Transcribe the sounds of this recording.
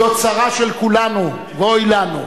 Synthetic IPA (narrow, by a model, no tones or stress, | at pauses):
ot͡saʁaʃelkulanu | veojlanṵ